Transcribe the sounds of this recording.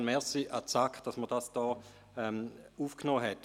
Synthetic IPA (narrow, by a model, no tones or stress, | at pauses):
nmɛsiʔat͡sakd̥asməd̥asd̥ɔː | ɛmuːfknoːɦɛt